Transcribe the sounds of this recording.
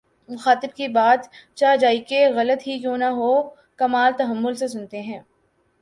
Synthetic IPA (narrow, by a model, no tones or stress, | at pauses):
mʊxaːt̪ɪbkibaːt̪t͡ʃaːd͡ʒaːikeɣɐlət̪ɦikjõːnaɦoː | kɐmaːlt̪ɐɦəmːʊlsesʊnt̪eɦɛ̃ː